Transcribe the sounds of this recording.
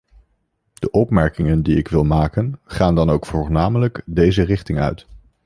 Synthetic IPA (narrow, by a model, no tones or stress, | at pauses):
d̥əʔɔpmɛɹkɪŋəndiɪkʋɪlˠmaːkənχaːndɑnowkfʊɹnaːmələkdejzərɪχtɪŋœ̰ɥt